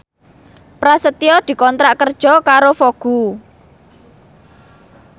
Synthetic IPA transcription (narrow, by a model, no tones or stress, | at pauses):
pɾasət̪iɔd̪̥i̤kɔnt̪ɾaʔkərd̥ʒ̥ɔ̤kaɾofoɡ̥u